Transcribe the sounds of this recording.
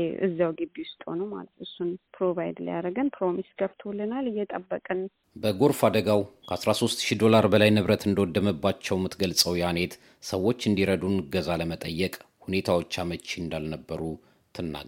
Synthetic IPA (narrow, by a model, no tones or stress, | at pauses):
ʔɨ̰zːawɡɨbːiwʊst̪ʼho̰numa̰lət̪ɨsːunpɾoβajd̪lə̰ja̰ɾəɡənpʰɾomisɡəbt̪ʰwulːənalɨjːɛt̪ʼəbːəkʼən | bəɡo̞ɾfad̪əɡawkʰəʔasɾaso̞st̪ʃid̪o̞laɾbəlajnɨβɾət̪ɨnd̪əwɔd̪ːəməbːat͡ʃːɛwmːɨt̪ɡəlsʼəwjane̞t̪ | səwːo̞t͡ʃːɨnd̪iɾəd̪unɡəzaləmət̪ʼəjːɛkʼhune̞t̪ʰawo̞t͡ʃːamət͡ʃːend̪alnəbːəɾu | t̪ʰɨnːa̰ɡ